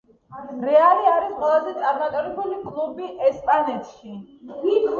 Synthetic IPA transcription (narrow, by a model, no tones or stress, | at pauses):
ɾɛaliaɾisqʼwɛlˠazɛt̪sʼaɾmat̪ʼɔɾɛbulikʼlˠubiʔɛspʼanɛt̪ʰʃi